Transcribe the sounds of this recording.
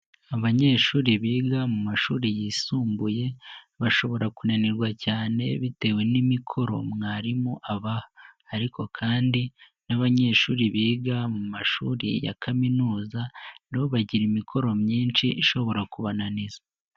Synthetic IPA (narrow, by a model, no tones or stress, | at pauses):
aβaɲe̞ːʃuːɾiβiːɡamumaʃuːɾijiːsuːmbuje̞ | βaʃo̞βo̞ɾakunaniɾɡwacaːne̞̰βite̞ːwe̞nimikʰo̞ɾo̞̰mŋaːɾimuʔaβahaaɾiko̞kʰaːndi | naβaɲe̞ʃuːɾiβiːɡamumaʃṵːɾḭja̰kaminuːzaniβo̞βaɟiɾimikʰo̞ɾo̞mɲiːnʃiʔiʃo̞βo̞ɾakuβananiza